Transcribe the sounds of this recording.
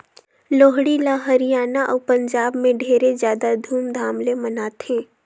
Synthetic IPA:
loːɦɽilaːɦəɾijaːnaʔɔːpə̃ɲd͡ʒaːbmẽɖʱeːɾezjaːd̪ad̪ʱuːmd̪ʱaːmlemənaːt̪ẽː

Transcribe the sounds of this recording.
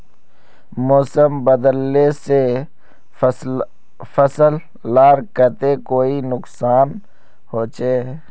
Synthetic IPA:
moːsəmbəd̪əlːese | fəsəlː | aːɾkət̪ekoːinʊksaːn | hoːt͡ʃeː

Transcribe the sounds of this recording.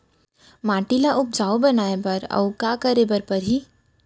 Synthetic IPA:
maːʈilaʔʊp̚d͡ʒaːobɐnaːebɐɾɐ̰wkaːkɐɾebɐɾpɐɾɦiː

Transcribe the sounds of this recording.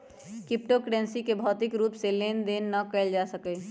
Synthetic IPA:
kɪp̚ʈokɖẽːnsikebʱɔːt̪ɪkɾuːpseleːnd̪eːnːəkəɪld͡ʒasəkɛ

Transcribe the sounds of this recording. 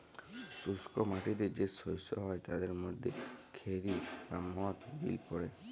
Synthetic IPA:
suskɔmaʈid̪ed͡ʒesɔjsɔɦɔjt̪ad̪eɾmod̪ʱːekʰeɾisamɔt̪bḭlpɔɽe

